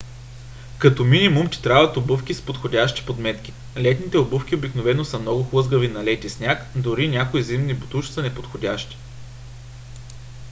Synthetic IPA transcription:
kɐt̪ɔminʲimumt̪ʲi̥t̪ɾavɐt̪obufkʲispot̪xodʲaʃt̪i̥pod̪mɛt̪k̟i̥ | lɛt̪nit̪ɛobufkʲiobiknovɛnosɐmnɔɡʊxlˠɤzɡəvinɐlɛt̪isnʲakd̪oɾinʲakoizimnibot̪uʃsənɛpot̪xodʲaʃt̪i̥

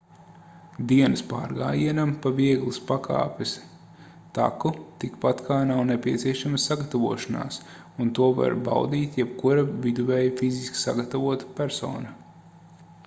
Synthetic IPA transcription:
d̪iɛnɨspa̰ːɾɡa̰ːjiɛnampaviɛɡlˠuspaka̰ːpʲɪs | t̪a̰kut̪ikpat̪kʰaːnawnepʲiɛt̪siɛʃamɐsaɡat̪avuɔʃana̰ːs | unt̪uɔva̰ɾba̰wd̪iːt̪jɛb̚kuɾavid̪uvɛːjfiziski̥sa̰ɡat̪avuɔt̪ḁpʲæɾsɔ̰ːnɐ

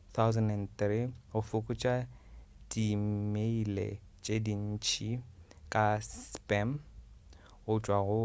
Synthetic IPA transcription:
θʰawzɛnɛntriɣʊfʊkʼʊt͡ʃʼadimeilḛ | t͡ʃʼedin̩t͡ʃʰikʼaspʼɛm | ɣʊt͡ʃʼwaɣʊ

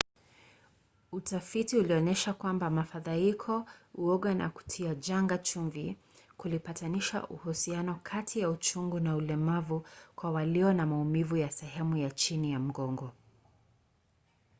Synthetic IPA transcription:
utafitiuliɔnɛʃakwambamafaðaikʰɔuɔɠwana̰ku̥tʰiad͡ʒaŋɡat͡ʃuɱvi | kulipataniʃa̰ʔṵhusianɔkʰatʰijaut͡ʃuŋɡunaulɛmavukwawaliɔnamaumivujasɛɦɛmujat͡ʃinijam̩ɡɔŋɡɔ

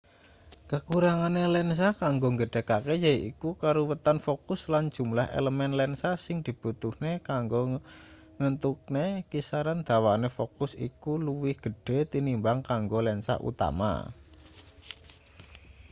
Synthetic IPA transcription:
kəkuɾaŋanelɛns̬akaŋɡoŋɡəɖ̥e̤kakejaiʔḭkukaɾowət̪anfokʊsland̥d͡ʒ̥ṳmlahḛləmɛnlɛnsasɪŋd̪̥i̤b̥ut̪uhnekaŋɡo | ŋənt̪uk̚nekisaɾand̪̥a̤wanefokʊsḭkuluwɪhɡ̥ə̤ɖ̥e̤t̪inimbaŋkaŋɡolɛnsa̰ʔṵt̪a̰ma̰

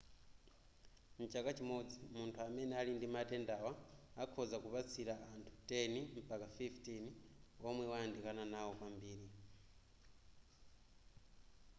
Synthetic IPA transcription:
n̩t͡ʃakat͡ʃimɔd͡zimuntʰuamɛnɛalindimatʼɛndawaakʰɔzakupat͡sʰiɾaʔantʰu̥tʼɛnim̩pʼakafiftinɔmwɛwaandikananawɔkwambiːɾi

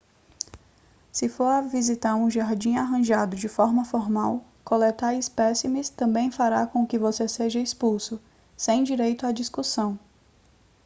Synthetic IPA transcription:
sɪfoɾavizit̪aɾũʒaɾd͡ʒĩaɦɐ̃ʒad̪ʊd͡ʒɪfɔɾmɐfɔɾmaw | kolɛt̪aɾispɛsimist̪ɐ̃mbẽj̃faɾakõkɪvoseseʒɐispulsʊ | sẽj̃d͡ʒiɾejt̪ʊad͡ʒiskusɐ̃w̃

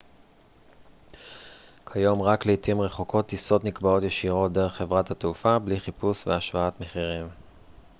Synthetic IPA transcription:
kʰajo̞mʁakleitimʁe̞χo̞kʰo̞t̪iso̞tnikbao̞tjeʃiʁo̞t̚d̪e̞ʁeχːe̞vʁathateufabliχipusveaʃvaatmeχiʁim

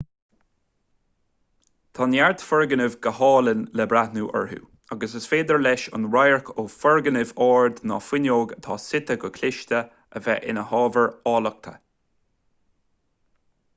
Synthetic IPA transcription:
t̪ʰɑːnjaɹd̪fəɹɡənɪvɡəhɑːlənlɛbɾatnuːʔə̰ɹhṵː | aɡəsəsfeːd̪əɹlɛʃʊ̰nɹajəɹkʰoːfɔɹɡənɪvɔːɹd̪nɑ̰fɪnjoːɡət̪ʰɑːsɪt̪əɡəkʰlɪʃt̪ə | əvɛʔɪ̰nəhɑːvəɹɑːlək̚t̪ʰə̰

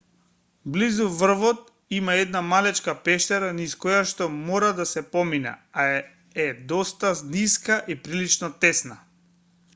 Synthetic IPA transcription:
blizuvr̩vɔt̪ | imaɛd̪namalɛt͡ʃkapɛʃt̪ɛɾaniskɔjaʃt̪ɔmɔɾad̪asɛpɔmina̰a | ɛd̪ɔst̪azniskaʔipɾilit͡ʃnɔt̪ɛsna

